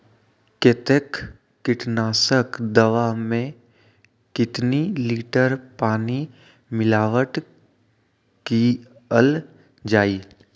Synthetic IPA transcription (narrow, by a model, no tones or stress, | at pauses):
ket̪ekː | ɪʈnaːsəkd̪ɐʋamẽ | kɪt̪niliːʈəɾpaːni | mɪlaːʋəʈ | ki | əl | d͡ʒaːiː